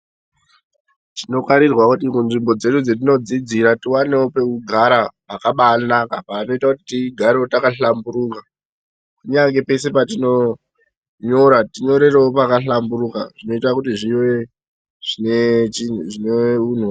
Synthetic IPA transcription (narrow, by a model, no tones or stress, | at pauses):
tino̞kaɾirwakutikunʐimbo̞d͡ze̞ɗud͡zetino̞d͡zid͡ziɾatiwaneope̞uɡʱaɾapakaɓaːnakapaːno̞itakutitiɡʱaɾeotakaɬambuɾuka | kuɲaŋɡe̞pe̞se̞patino̞ | ɲo̞ɾatiɲo̞ɾe̞reopakaɬambuɾuka̰ʐ̥ino̞itakutiʐiwe̞ | ʐ̥inet͡ʃinʐineun̤wa